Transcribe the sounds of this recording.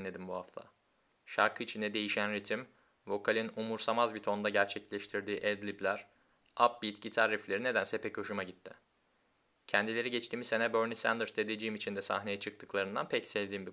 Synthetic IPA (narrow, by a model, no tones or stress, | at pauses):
nːʲe̞d̪imbuha̰ft̪ʰa̰ | ʃa̰ɾkʰɯit͡ʃʰind̪ɛd̪e̞jiʃænɾet̪ʰim | vo̞kʰalʲinumuɾsamazbit̪ʰo̞nd̪aɟæɾt͡ʃʰɛclʲɛʃt̪ʰiɾd̪iːʔɛd̪lʲiplʲæɾ̥ | ap̚bit̪cit̪ʰaɾiflʲe̞ɾine̞d̪ænsɛpʰɛcʰo̞ʃumaɟit̪ʰːɪ̰ | cʰɛnd̪ilʲe̞ɾiɟet͡ʃt̪ʰiːmise̞nɛbøɾnisænd̪ɯɾsed̪ed͡ʒijimit͡ʃʰind̪ɛsa̰hne̞jɛt͡ʃʰɯk̚t̪ʰɯklˠaɾɯnd̪a̰npʰɛcsɛvd̪iːmbi